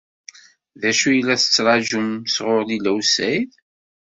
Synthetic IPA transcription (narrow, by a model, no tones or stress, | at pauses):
ðæʃujəlːæθə̥t͡sːɾˤɑʒumsʁʊɾlilæwsæjð